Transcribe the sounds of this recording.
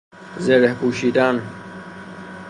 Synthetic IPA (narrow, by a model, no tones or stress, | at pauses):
zeɾehpuːɕiːd̪aːn